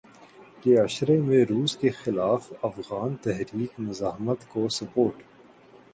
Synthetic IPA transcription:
keɐʃɾemẽɾuːskexɪlaːfɐfɣaːnt̪ɛɦɾiːkmʊzaːɦmət̪kosɐpoːɾʈ

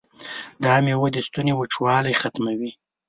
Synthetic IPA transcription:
d̪ɑmewod̪əst̪unewəʈ͡ʂwɑlajxat̪mawi

